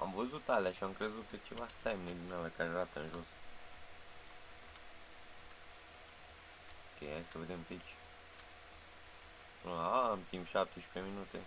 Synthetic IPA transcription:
a̰mvəzut̪aleaʃiamkɾe̞zut̪̚kət͡ʃevasamned̪ʲinalakaɾeɾat̪əɨnʒo̞s | okḛjhajsəved̪e̞mket͡ʃʲ | amt̪impʃap̚t̪eʃi̥peminut̪ḛ

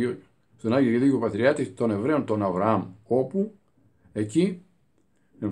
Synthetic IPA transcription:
st̪onɐʝiɾiðicopɐt̪ɾiɐt̪ist̪o̞ne̞vɾe̞o̞nt̪o̞nɐvɾɐɐmopu | e̞ci | eɱ

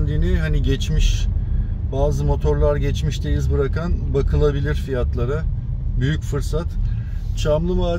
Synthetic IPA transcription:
nd̪iniɦaniɟɛt͡ʃmiʃ | baːzɯmo̞t̪ʰo̞ɾlˠaɾɟɛt͡ʃmiʃt̪ʰejizbɯɾakanbakʰɯlˠabilʲiɾfijat̪lˠaɾabyjycfɯɾsat̪t͡ʃʰamlˠɯvaː

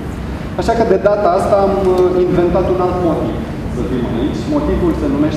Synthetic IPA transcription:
aʃakəd̪e̞d̪at̪aast̪aːminve̞nt̪at̪unalt̪mo̞t̪iv | səfimɨnit͡ʃʲmo̞t̪ivulsənume̞ʃ

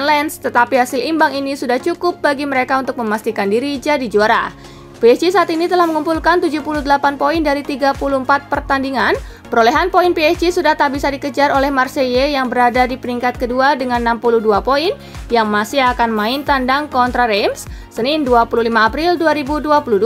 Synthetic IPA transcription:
nlɛnst̪ət̪apiɦasɪlimbaŋinisudaht͡ʃukʊp̚baɡiməɾekaunt̪ʊk̚məmast̪ikandiɾid͡ʒadid͡ʒuaɾa̰ | peɛd͡ʒisaːt̪init̪əlahməŋumpulkant̪ud͡ʒupuluhdəlapanpoindaɾit̪iɡapuluəmpat̪̚pərt̪andiŋan | pəɾolɛɦanpoinpiɛsd͡ʒisudaht̪aʔbisadikəd͡ʒaɾolɛhmarsejejaŋbəɾadadipəɾiŋkat̪̚kəduadəŋanːampuluhduapoin | jaŋmasɪɦakanmaɪnt̪andaŋkɔnt̪ɾaɾemsː | ənɪnduapuluhlimaːpɾilduaɾibuduapuluhd

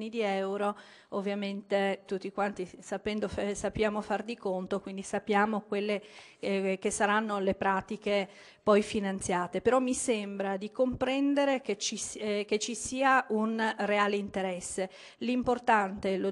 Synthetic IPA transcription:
nid̪iɛwɾo | ovːjament̪et̪ut̪ːikwant̪isapɛnd̪ofsapːjaːmofard̪ikont̪okwind̪isapːjaːmokwelːe | k̟esːaɾanːolepɾaːt̪ike | pɔjfinant̪sjaːt̪epeɾɔmːisembɾad̪ikompɾɛnd̪eɾeket͡ʃik̟et͡ʃːisiːaunreaːleint̪eɾɛsːe | limport̪ant̪elo

